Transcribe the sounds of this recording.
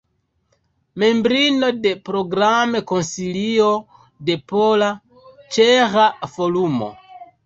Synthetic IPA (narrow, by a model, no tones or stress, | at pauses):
mẽmbɾinodepɾoɡɾamekõnsilio | depola | t͡ʃeɣafolumo̰